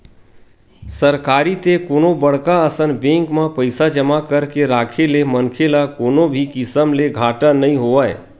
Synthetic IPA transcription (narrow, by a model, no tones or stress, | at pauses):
səɾkaːɾit̪ekoːnobəɽ̤kaəsənbẽːŋkmãpəɪsad͡ʒəmakəɾkeɾaːkʰelemənkʰelakoːnobʱikɪsəmleɡʱaːʈanəĩɦoʋae